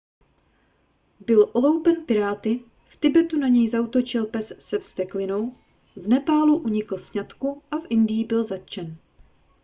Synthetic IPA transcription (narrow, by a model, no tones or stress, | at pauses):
bɪlʔo̞lowpɛnpɪɾaːt̪ɪ | ft̪ɪbɛt̪unaɲɛjzaut̪o̞t͡ʃɪlpɛssɛfst̪ɛklɪno̞w | vnɛpaːluʔuɲɪkl̩sɲat̪kuʔafʔɪndɪjɪbɪlzat̪̚t͡ʃɛn